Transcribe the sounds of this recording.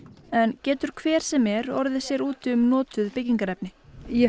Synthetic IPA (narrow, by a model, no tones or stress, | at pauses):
ɛncɛːt̪ʏɾ̥kʰvɛːɾ̥sɛmɛɾɔɾðɪsjɛɾuːt̪ʏmnɔːt̪ʏðpɪcːiŋkaɾɛp̚nɪjɛ